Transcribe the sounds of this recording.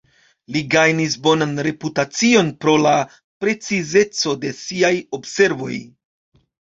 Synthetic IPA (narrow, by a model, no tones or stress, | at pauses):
liɡajnis̬bo̞nanɾe̞putat͡sio̞npɾo̞la | pɾe̞t͡size̞t͡so̞de̞siajo̞bse̞ɾvo̞̰j